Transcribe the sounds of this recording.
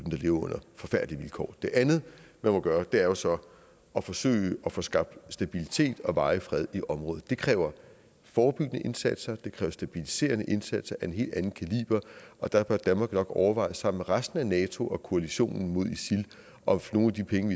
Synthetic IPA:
dn̩d̥ɑ̈le̝ʊɐɔ̽n̰ɐfɒ̽fæɐ̰d̥liʋilkʰɒ̰ːd̥e̝ʔænð̩ˠmænmɒ̽ɡ̥ɶːɐd̥e̝æɐjo̝sɒ̽ | ɒ̽fɒ̽sø̰ɪɒ̽fɔsɡ̥ɑ̈b̥d̥sd̥æb̥ilit͡sʰe̝̰ːd̥ɒ̽ʋɑ̈ɪəfʁɛð̞ˠiʔɒ̽mʁɔ̽ːð̩ˠd̥e̝kʰʁɛːʊɐ | fɒːb̥yɡ̥ənəʔe̝nsæd̥sɐd̥e̝kʰʁɛːʊɐsd̥æb̥ilise̝̰ːɐnəʔe̝nsæd̥sɐʔæe̝nɦe̝̰ːld̥ænn̩kʰælḭːb̥ɐʔɒ̽d̥ɑ̈b̥ɶɐd̥ænmɑ̈ːɡ̥nɒ̽ɡ̥ɒʊɐʋɑ̈ɪ̰sːɑ̈m̰meʁasd̥n̩ænɛːt͡sʰo̝ʔɒ̽kʰo̝æliɕo̝̰ːnn̩mo̝ð̞̰ˠisil | ʔɒ̽no̝ːnæd̥ipʰeŋəʋi

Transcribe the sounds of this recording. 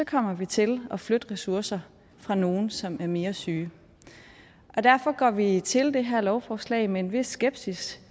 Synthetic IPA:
sɒ̽kʰɒ̽m̰ɐʋit͡sʰe̝lɒ̽flød̥ʁɛsuɐsɐ | fʁɑ̈no̝ːn̩sɒ̽mæɐme̝ːɐsyː | ʔɒ̽d̥æɐfɒ̽ɡ̥ɒ̰ːʋit͡sʰe̝ld̥e̝ɦæɐ̰lɒʊfɒːslɛ̰ːɪmeenʋe̝sːɡ̥eb̥sis

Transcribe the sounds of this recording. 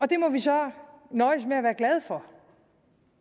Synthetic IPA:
ɒ̽d̥e̝mɒʋisɒ̽nɒɪsmeæʋæːɐɡ̥lɛð̞ˠfɒ

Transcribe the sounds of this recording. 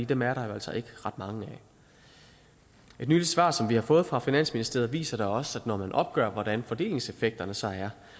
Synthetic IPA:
ḭːd̥emæɐɾɑ̈jo̝æl̰sɒ̽ʔe̝ɡ̥əʁɑ̈d̥mɑ̈ŋəæ | e̝d̥nyːli̥sʋɑ̰̈ːsɒ̽mʋihɑ̈fɔ̽ːð̩ˠfʁɑ̈finæn̰sminisd̥e̝ɐð̩ˠʋḭːsɐɾ̥ɑ̈ɒ̽sæd̥nɒmænʔɒ̽b̥̚ɡ̥œ̰ːɐʋɒd̥ænfɒ̽d̥e̝̰ːle̝ŋse̝feɡ̥̚d̥ɐnəsɑ̈æɐ

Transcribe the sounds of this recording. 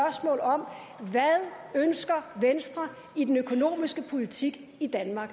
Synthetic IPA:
ɶɐsmɔ̰̽ːlɒ̽m | ʋæðˠønsɡ̥ɐʋensd̥ʁɐ | id̥enøkʰo̝no̝̰ːmisɡ̥əpʰo̝lit͡sʰiɡ̥ | id̥ænmɑ̈ːɡ̥

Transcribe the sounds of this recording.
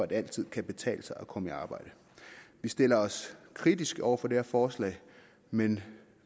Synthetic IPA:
ɒ̽æd̥æl̰t͡sʰið̞̰ˠkʰæb̥e̝t͡sʰɛ̰ːləsɑ̈ɪɒ̽kʰɒ̽miɑ̈ːb̥ɑ̈ɪ̰d̥ə | ʋisd̥e̝lɐɒ̽skʰʁid̥isɡ̥ɒʊ̰ɐfɒ̽dehæɐfɒːslɛ̰ɪ | men

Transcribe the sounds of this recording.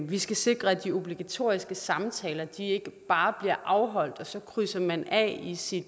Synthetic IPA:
ʋisɡ̥æse̝ɡ̥ʁɐæd̥io̝b̥liɡ̥æt͡sʰo̝̰ɐ̰isɡ̥əsɑ̈mt͡sʰɛːlɐd̥ie̝ɡ̥əb̥ɑ̈ːb̥liɐ̰ʔɑ̈ʊɦɒ̽l̰d̥ɒ̽sɒ̽kʰʁysɐmænɛ̰isid̥

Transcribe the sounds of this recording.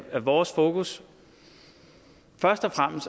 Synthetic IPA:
æʋɒːsfo̝ːkʰus | fɶɐsd̥ɒfʁam̰əsd̥

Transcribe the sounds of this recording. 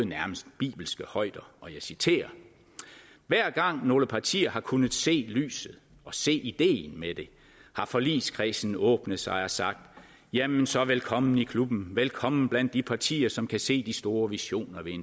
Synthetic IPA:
næɐməsd̥b̥ḭːb̥l̩sɡ̥əhɒ̽ɪ̰d̥ɐɒ̽jɑ̈ɪsit͡sʰe̝̰ːɐ | ʋæɐ̰ɡ̥ɑ̈ŋ̰no̝ːləpʰɑ̈t͡sʰḭːɐhɑ̈kʰunð̩ˠse̝̰ːly̰ːsð̩ˠ | ɒ̽se̝̰ːʔid̥e̝̰ːn̩med̥e̝ | hɑ̈fɒ̽lḭːskʰʁɛsn̩ɔ̽ːb̥nəðˠsɑ̈ɪɒ̽sɑ̈ɡ̥̚d̥ | jæmensɒ̽ʋelkʰɒ̽mn̩ikʰlub̥n̩ʋelkʰɒ̽mn̩b̥læn̰d̥ːipʰɑ̈t͡sʰḭːɐsɒ̽mkʰæse̝̰ːd̥isd̥o̝ːɐʋiɕo̝̰ːnɐʋe̝en

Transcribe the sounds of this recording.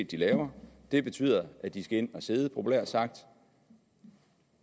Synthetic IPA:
d̥ilɛːʊɐd̥e̝b̥e̝t͡sʰy̰ːð̰ˠɐʔæd̥isɡ̥æe̝n̰ɒ̽se̝ːð̞ˠpʰo̝pʰulɛɐ̰̥sɑ̈ɡ̥̚d̥

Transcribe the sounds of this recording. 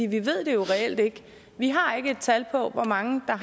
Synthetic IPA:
ḭːʋiʋe̝ð̞̰ˠd̥e̝jo̝ʁɛel̰d̥e̝ɡ̥ə | ʋiɦɑ̈e̝ɡ̥əe̝d̥̚t͡sʰælpʰɒ̽ʋɒmɑ̈ŋəd̥ɑ̈

